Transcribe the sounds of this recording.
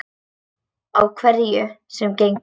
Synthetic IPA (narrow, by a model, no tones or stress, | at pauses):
awkʰvɛɾjʏsɛmcejŋ